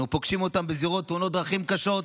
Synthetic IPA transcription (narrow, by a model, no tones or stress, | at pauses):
upoɡʃimo̞t̪ambeziʁo̞t̪ːunot̚d̪ʁaχimkaʃo̞t̪